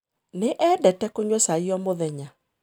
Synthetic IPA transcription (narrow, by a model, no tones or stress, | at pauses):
neʔɛdɛtɛkoɲwɛsaiɔmoðɛɲa